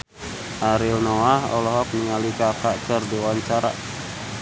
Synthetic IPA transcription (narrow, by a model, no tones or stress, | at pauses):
ʔaɾilnɔahɔ̰lɔɦɔk̚niŋalikakakərdiwaɲt͡ʃaɾa̰